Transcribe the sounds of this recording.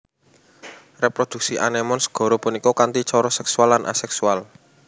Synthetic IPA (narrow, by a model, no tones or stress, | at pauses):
repɾod̪̥ṳk̚siʔa̰nɛmɔnsə̥ɡ̥ɔ̤ɾopunikɔkant̪it͡ʃɔɾɔsɛksualːanʔa̰sɛksual